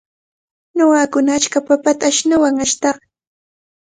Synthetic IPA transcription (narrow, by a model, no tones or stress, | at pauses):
noɢɑkʊnaːt͡ʃkapapat̪aːʃnawaŋaʃt̪ɑχ